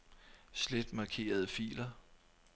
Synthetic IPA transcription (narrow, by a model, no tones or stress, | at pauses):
sled̥mɑ̈kʰe̝̰ːɐð̞ˠəfḭːlɐ